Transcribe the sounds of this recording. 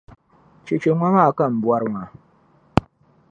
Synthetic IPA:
t͡ʃe˨t͡ʃe˨ŋʷa˦ŋa˦˨ka˦˨m̩˨bwa˦ɾŋa˨

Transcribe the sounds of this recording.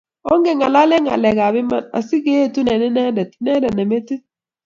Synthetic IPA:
ɔ˦ŋɡɛ˨ŋa˨la˦lɛ˦ŋa̰˨lɛ˨ɡa˨bɪ˦ma˦na̰˨si˦ɡe˦e˦˨tu˦nɛ˨nɪ˦nɛ˦ndɛ˨tnɛ˦dɛ˨nɛ˨me˦ti˦

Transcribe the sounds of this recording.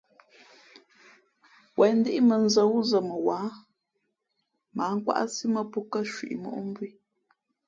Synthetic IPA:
wʔɛ˨n̩˦de˦ʔi˦mə˨n̩˦zə˦wu˦zə˨mə˨waː˨˦ | ma˨˦ŋ̩˦kwa̰˦ʔsi˦mə˦pu˦kə˦˨ʃwḭ˨ʔmo̰˦˨ʔm˦bɥi˦

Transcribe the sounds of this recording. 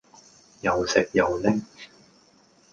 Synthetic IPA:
jɐ˨wsɪ˨k̚jɐ˨˩wlɪ˥ŋ

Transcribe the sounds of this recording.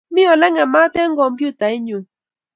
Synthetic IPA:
mĩ˦ɔ˨lɛ˦ŋɛ˨ma˦tɛ˦ŋ̩˦ɡɔ˧˨m˦pju˦˨ta˨i˦ɲũ˨

